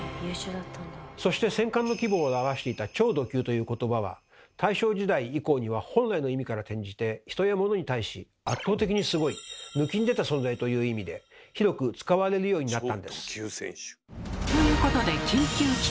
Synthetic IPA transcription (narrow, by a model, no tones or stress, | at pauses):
t̪ːso̞ɕi̥t̪e̞sẽ̞ŋkãnːo̞kʲibo̞ːaβaɕi̥t̪e̞it̪at͡ɕo̞ːd̪o̞kʲɨ̟ːt̪o̞jɯ̟ːko̞t̪o̞baβ̞a̰ | t̪ʰaiɕo̞ːd͡ʑid̪aiiko̞ːɲ̟iβahõ̞nɾaino̞imʲikaɾat̪ẽ̞ɲ̟d͡ʑit̪e̞çi̥t̪o̞jamo̞no̞ɲit̪aiɕḭ | at̪ːoːt̪e̞kʲiɲ̟isɨɡo̞imɯ̟kʲiɲ̟id̪e̞t̪asõnd͡zait̪o̞jɯ̟ːimʲid̪e̞çiɾo̞kɯ̟t͡sɨ̥kaβaɾe̞ɾɯ̟jo̞ːɲ̟inat̪ːãnd̪e̞sɨ̥ | t̪ojɯ̟ːko̞t̪o̞d̪e̞kʲɨːkʲɨː